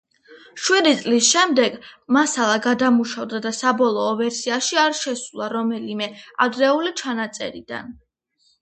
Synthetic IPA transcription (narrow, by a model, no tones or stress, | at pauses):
ʃwid̪it̪sʼlisʃɛmd̪ɛɡmasalˠaɡad̪amuʃavd̪ad̪asabɔlˠɔːvɛɾsiaʃiaɾʃɛsulˠaɾɔmɛlimɛa̰d̪ɾɛulit͡ʃʰanat̪sʼɛ̰ɾḭd̪̥a̰n